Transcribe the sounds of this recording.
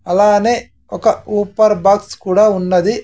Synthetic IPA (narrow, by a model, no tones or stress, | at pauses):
ɐlaːneː | ɔkɐuːpɐɾbaːkskuːɽaːunːɐd̪i